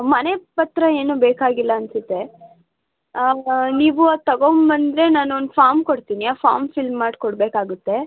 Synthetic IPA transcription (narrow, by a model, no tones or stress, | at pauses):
mɐnepɐt̪ɾɐe̞ːnuːbeːkaːɡilːɐɐnsut̪ːe̞ | niːʋuat̪ɐɡombɐnd̪ɾe̞naːnuond̪faːɾmkoɽt̪iːniaːfa̰ːɾmfilmːaːɖkoɽbeːkaːɡut̪ːe̞